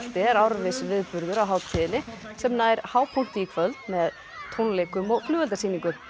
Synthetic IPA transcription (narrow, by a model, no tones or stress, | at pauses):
t̪ɪɛɾawɾvɪsvɪðpʏɾðʏɾawɦaːw̪t̪ʰiːðɪnɪsɛmnaɛɾ̥haːwpʰul̥t̪ɪikʰvœlt̪mɛð | t̪ʰownlejkʏmɔɣflʏːvɛlt̪asiːniŋkʏm